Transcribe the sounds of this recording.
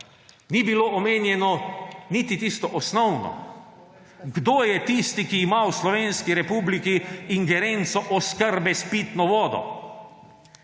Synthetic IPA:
nibiloːʔɔmeːnjɛnɔnit̪it̪ist̪ɔʔɔsnɔwnɔ̰ | ɡd̪oːjɛt̪ist̪ikiːmawslɔʋeːnskiɾɛpublikiiŋɡɛɾent̪sɔʔɔskəɾbɛspit̪nɔʋɔːd̪ɔ̰

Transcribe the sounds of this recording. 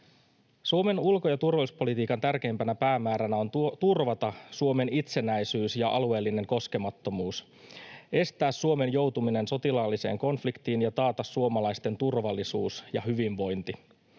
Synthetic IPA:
suo̞me̞nulko̞jɑt̪urʋɑluspo̞lit̪iːkɑnt̪ærk̟e̞jmpænæpæːmæːɾænæo̞nt̪urʋɑt̪ɑsuo̞me̞nit̪se̞næjsyːsjɑʔɑlue̞ːlːine̞ŋko̞ske̞mɑt̪ːo̞muːs | ʔe̞st̪æːsːuo̞me̞njo̞wt̪umine̞nso̞t̪ilɑlːise̞̰ːŋko̞nflikt̪iːnjɑt̪ɑːt̪ɑsːuo̞mɑlɑjst̪e̞nt̪urʋɑlːisuːsjɑɦyʋiɱʋo̞jnt̪i

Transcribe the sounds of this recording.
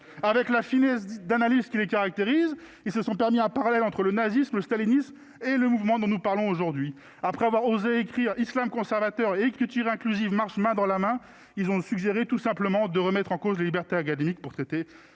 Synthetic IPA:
avɛklafinɛsd̪analizkʲilekaʁak̚t̪eʁiz | ilsəsɔ̃pɛʁmiɛ̃paʁalɛlɑ̃t̪χələnazismləst̪alinism | eləmuvmɑ̃d̪ɔ̃nupaʁlɔ̃oʒuʁd̪ɥi | apχɛavwaʁozeekχiʁislamkɔ̃sɛʁvat̪œʁeːkχit̪yʁɛ̃klyzivmaʁʃmɛ̃d̪ɑ̃lamɛ̃ | ilzɔ̃syɡʒeʁet̪usɛ̃pləmɑ̃d̪əʁəmɛt̪χɑ̃kozlelibɛʁt̪eak̬ad̪emik̚puʁt̪χɛt̪e

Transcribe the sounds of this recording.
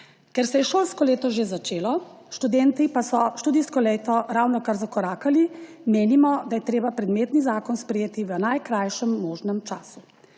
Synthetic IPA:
kɛɾsɛjɛʃoːlskɔleːt̪ɔʒezat͡ʃeːlɔ | ʃt̪ud̪ɛːnt̪ipasɔʃt̪uːd̪iskɔlejt̪ɔɾawnɔkaɾzakɔɾaːkali | meːnimɔd̪ajɛt̪ɾeːbapɾɛd̪meːt̪nizaːkɔnspɾɛjeːt̪iʋənajkɾajʃɛmːoːʒnɛmt͡ʃaːsu

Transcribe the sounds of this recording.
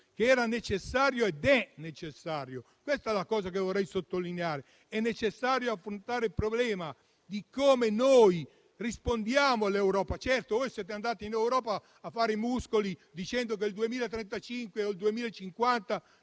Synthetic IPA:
keɛːɾanet͡ʃesːaːɾjoed̪ɛnet͡ʃesːaːɾjo | kwɛst̪ɛlakɔːzak̬evorːɛjsot̪ːolineaːɾe | ɛnːet͡ʃesːaːɾjoafɾont̪aːɾeilpɾoblɛːma | d̪ikomenoj | rispond̪jaːmoalewɾɔːpat͡ʃɛrt̪ovɔjsɛːt̪̬eand̪aːt̪iinewɾɔːpaː | fːaːɾemuskolid̪it͡ʃɛnd̪ok̬eld̪uemiːlaet̪ɾɛnt̪at͡ʃiŋkweold̪uemiːlaet͡ʃːiŋkwant̪a

